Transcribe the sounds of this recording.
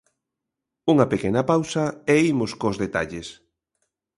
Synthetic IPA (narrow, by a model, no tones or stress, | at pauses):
uŋɐpekenɐpawsɐeimʊskozðet̪aʎes